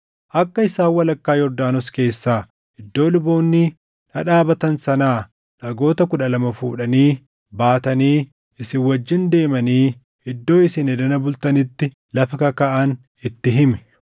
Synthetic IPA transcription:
ʔɐkːɐɪsaːwːɐlɐkːaːjɔɾd̪aːnɔske̞ːsːaː | ɪd̪ːo̞ːlʊbo̞ːnːɪ | nɐᶑaːbɐt̪ɐnsɐnaː | nɐɡo̞ːt̪ɐkʊᶑɐlɐmɐfuːᶑɐniː | baːt̪ɐniː | ɪsɪwɐd͡ʒːɪnd̪e̞ːmɐniː | ɪd̪ːo̞ːɪsɪnɛd̪ɐnɐbʊlt̪ɐnɪt̪ːɪ | lɐfɐkɐkɐʔɐn | ɪt̪ːɪɦɪmɛ̥

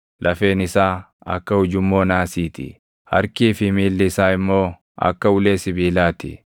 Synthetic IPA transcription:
lʔɐfe̞ːnɪsaː | ɐ̰kːɐhʊd͡ʒʊmːo̞ːnaːsiːt̪ɪ̰ | hɐ̰ɾkiːfɪmiːlːɪːsaːɪmːo̞ː | ʔɐ̰kːɐʊle̞ːsɪbiːlaːt̪ɪ̰

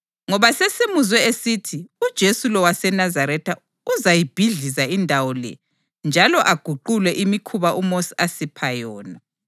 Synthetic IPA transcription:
ŋɔβasesimuzwɛesitʰiud̥ʒ̥ʱesulɔwasɛnazaɾɛtʰa | uzajib̥ʱiɮizaindʱawɔlɛ̰ | nd͡ʒʱalɔʔaɡ̥ʱuǃulwɛʔimikʰuβaʔumosiasipʰajɔːna

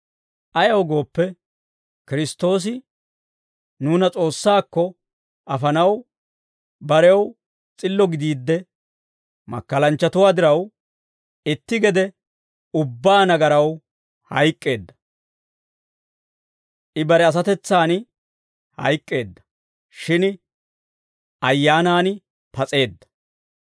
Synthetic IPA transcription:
ʔɐjɐwɡo̞ːpːɛ | kɪɾɪst̪ːo̞ːs̬ɪ | nuːnɐt͡sʼo̞ːsːaːkːɔ | ʔɐfɐnɐw | bɐɾɛw | t͡sʼɪlːɔɡɪd̪iːd̪ːɛ | mɐ̰kːɐlɐnt͡ʃːɐt̪ʊwaːd̪ɪɾɐw | ɪt̪ːɪɡɛd̪ɛ | ʊbːaːnɐɡɐɾɐw | hɐjkʼːe̞ːd̪ːɐ̥ | ʔɪbɐɾɛɐs̬ɐt̪ɛt͡sːaːn | hɐ̰jkʼːe̞ːd̪ːɐ̥ | ʃɪn | ʔɐjːaːnaːn | pɐt͡sʼe̞ːd̪ːɐ̥

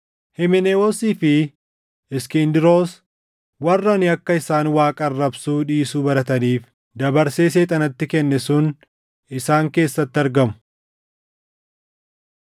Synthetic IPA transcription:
hɪmɪneːwoːsiːfɪ | ɪskind̪ɪɾo̞ːs | wɐrːɐnɪɐkːɐɪsaːnwaːkʼɐrːɐbsuːᶑiːsuːbɐɾɐt̪ɐniːf | d̪ɐbɐɾseːs̬eːt̪ʼɐnɐt̪ːɪkɛnːɛsʊn | ɪsaːŋke̞ːsːɐt̪ːɪɐɾɡɐmʊ̥

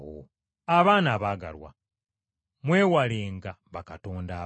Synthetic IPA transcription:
o̰ | aβaːnaːβaːɡa̰lwa̰ | mwe̞ːwaleːŋɡaβakatoːndaː

